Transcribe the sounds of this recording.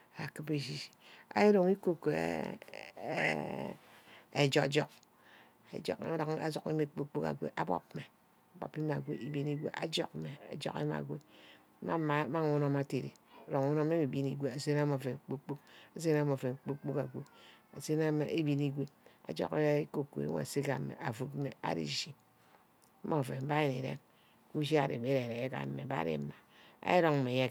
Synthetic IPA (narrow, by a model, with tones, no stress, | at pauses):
a˨kɨ˦be˨ʃi˦˨ʃi̥˨a̰˨˦ji˦ɾo˨ŋi˦ko˦k | e˨d͡ʒo˨d͡ʒɔ˦k̚ | ḛ˨d͡ʒo̰˨ka˨zo˨kḛ˦me˨k͡po˦k͡po˦ka̰˨ɡʷḛ˦ʔa˦bɔ̰˦pme˨ | a˨bo̰˨pe˦ma˨ɡʷḛ˦ʔi˨bi˦ni˦ɡʷḛ˦ʔa̰˨d͡ʒo˦kme˨a̰˨d͡ʒo̰˦kḛ˦ma̰˨ɡʷḛ˦ | ma˦˨ma˦ŋu˦no˦ma˨te˨ɾḛ˨o˨ɾo˨ŋu˦no˦me˦mi˨bi˦ni˦ɡʷe˦a˨se˦na˦mo˨fe˨k͡pu˦k͡pu˦ka˨s̬e˦n˦a˦m˨o˨fe˨k͡pu˦k͡pu˦ka˨ɡʷe˦a˨se˦na˦m˨e˦bi˦ni˦ɡʷe˦a̰˨d͡ʒɔ̰˦˨ke˦ko˨kːo̰˨ḛ˦˨se˦ka̰˦˨˦mḛ˨ʔa˨fu˦tme˨a̰˦ɾḭ˨ʃi˦ | mo˦˨fe˨m̩˦ba˦je˨ni˨ɾḛ˦ŋ˦ | ku˦ʃ̬i˦a̰˨ɾḛ˨be˦ɾe˨ɾe˨je˦ka̰˨m̩˦me˨ba̰˦ɾḛ˦ma˨ | a̰˦e˦ɾo˦ŋ̩˦me˨je˦